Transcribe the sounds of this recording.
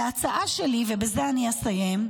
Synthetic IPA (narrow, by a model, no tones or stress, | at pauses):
at͡saʔaʃelivebezeaniasajem